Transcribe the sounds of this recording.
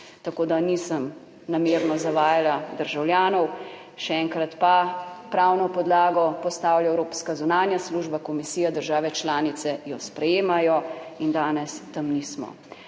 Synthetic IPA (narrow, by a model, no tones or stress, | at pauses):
t̪akoːd̪anisəm | nameːɾnɔzaʋaːjalad̪əɾʒawljaːnɔw | ʃɛɛŋkɾat̪papɾaːwnɔpɔd̪laːɡɔpɔst̪aːwlʲjaɛwɾoːpskazunaːnjasluːʒbakɔmisiːjad̪əɾʒaːʋɛt͡ʃlaːnit̪sɛjɔspɾɛjeːmajɔind̪aːnɛst̪amnismɔ̰